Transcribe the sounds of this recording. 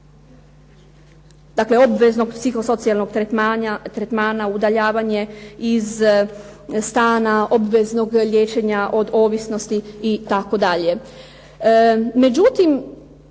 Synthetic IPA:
d̪akle̞o̞bʋezno̞ɡpsixo̞so̞t̪sialˠnoɡ̪eat̪ɾet̪maːnaud̪aʎaːʋaɲe̞iz | st̪aːnao̞bʋe̞zno̞ɡljeːt͡ʃe̞ɲaʔo̞d̪o̞ːʋisno̞st̪iːt̪ako̞d̪aʎe̞ | me̞d͡ʒut̪im

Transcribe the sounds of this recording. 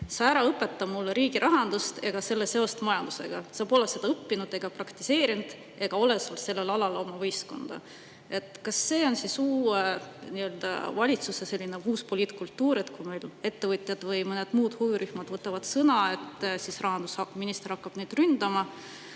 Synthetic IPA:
sɑæɾɑɤpːˑe̞t̪ːɑbmulːeɾiːɡ̥iɾʔɑɦɑnd̪̥ust̪e̞ɡ̥ɑse̞lːese̞o̞st̪mɑjɑnd̪̥use̞̰ɡ̥ɑsɑːbo̞lese̞d̪ɑɤpːinud̪̥e̞ɡ̥ɑprɑkt̪ise̞ːɾind̪̥ | e̞ɡ̥ɑo̞le̞solse̞lːe̞lɑlɑlo̞mɑvɤjsko̞̰nd̪̥ɑ̰ | e̞t̪ːˑkɑsːe̞ːo̞nsisuːeniø̞ld̪̥ɑ̰vɑlʲit̪susese̞lʲːineuːspoliːt̪kult̪ːuːɾid̪̥kujmejle̞t̪ːevɯt̪ʲjɑd̪̥vɤjmɤned̪̥muːd̪̥hujuɾyhmɑd̪vɤt̪ːˑɑvɑd̪̥sɤnɑe̞t̪ːsisrɑɦɑnd̪̥usɑminist̪eɾɑkːɑb̥ned̪̥rynd̪̥ɑmɑ

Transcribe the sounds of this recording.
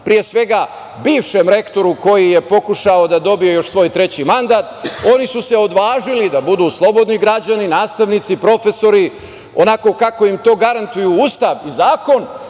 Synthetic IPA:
pɾije̞sʋe̞ɡa | biːʋʃe̞mɾe̞kt̪o̞ɾuko̞jije̞po̞kuʃaod̪ad̪o̞bio̞jo̞ʃsʋo̞ːjt̪ɾe̞t͡ɕimand̪aːt̪o̞nisuse̞o̞d̪ʋaːʒilid̪abud̪uːslˠo̞bo̞d̪niɡɾad͡ʑaninaːst̪aʋnit̪sipɾo̞fe̞so̞ɾi | o̞nako̞kako̞imt̪o̞ːɡaɾant̪ujuuːst̪aʋizaːko̞n

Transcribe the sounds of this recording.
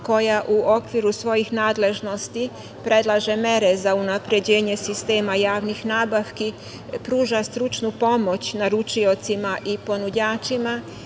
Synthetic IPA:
ko̞jaʔuokʋiɾusʋo̞jixnaːd̪le̞ʒno̞st̪i | pɾe̞d̪lˠaʒe̞me̞ɾe̞zaunapɾe̞d͡ʑe̞ːɲe̞sist̪eːmajaːʋnixnaːbaʋki | pɾuːʒast̪ɾut͡ʃnupo̞mo̞t͡ɕnaɾut͡ʃio̞t̪simaʔipo̞nud͡ʑaːt͡ʃima

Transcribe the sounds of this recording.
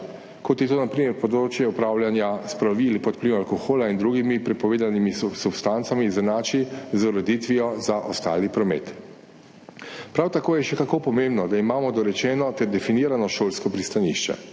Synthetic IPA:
kɔt̪jɛt̪oːnapɾiːmɛɾpɔd̪ɾoːt͡ʃjɛupɾaːwljanjaspɾaʋilpɔt̪̚pliwalkoxoːlaind̪ɾuɡimipɾɛpɔʋeːd̪animisubst̪ant̪samizanaːt͡ʃizoɾɔd̪it̪ʋiɔzaʔɔst̪a̰ːlipɾɔmḛːt̪ | pɾawt̪akoːjɛʃɛkakoːpɔmẽmbnɔd̪aimaːmɔd̪ɔɾɛt͡ʃɛːnɔt̪ɛɾd̪ɛfiniːɾanɔʃoːlskɔpɾist̪anḭʃt͡ʃɛ̰

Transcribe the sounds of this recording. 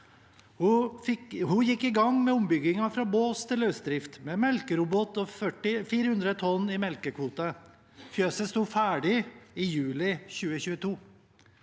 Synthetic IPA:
hʊɪhʊjɪkːɪɡɑŋmɛʊmbʏɡɪŋɑfɾɑːboːst̪ʰɪlœsd̪ɾɪft̪mɛmɛlkəɾʊbɔt̪ɔfœʈɪfiːɾəhʉnd̪ɾət̪ʰɔnːɪmɛlkəkʰʋuːt̪ɑ | fjøːsəst̪uːfæːɖɪɪjʉːlɪçʉːəçʉːət̪ʰuː

